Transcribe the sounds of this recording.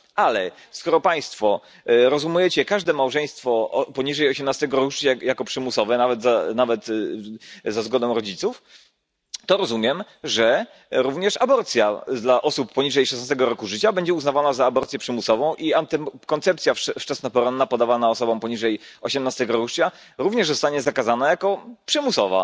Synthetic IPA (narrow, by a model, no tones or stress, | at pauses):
ʔalɛ | skɔɾɔpaj̃st̪fɔ | ɾɔzumujɛt͡ɕɛkaʐd̪ɛmawʐɛj̃st̪fɔpɔɲiʐɛjɔɕɛmnast̪ɛɡɔɾuʂt͡ɕajakɔpʂɘmusɔvɛnavɛt̪zanavɛt̪ | zazɡɔd̪ɔ̃w̃ɾɔd͡ʑit̪suf | t̪ɔɾɔzumʲjɛm | ʐɛ | ɾuvɲɛʂabɔɾt̪sʲjad̪laʔɔsupːɔɲiʐɛjʂɛsnast̪ɛɡɔɾɔkuʐɘt͡ɕabɛɲd͡ʑɛuznavanazaːbɔɾt̪sʲjɛpʂɘmusɔvɔ̃w̃ʔiant̪ɛkɔnt̪sɛpt̪sʲjafft͡ʂɛsnapɔɾɔnːapɔd̪avanaɔsɔbɔ̃w̃pɔɲiʐɛjɔɕɛmnast̪ɛɡɔɾuʂt͡ɕa | ɾuvɲɛʐzɔst̪aɲɛzakazanajakɔpʂɘmusɔva̰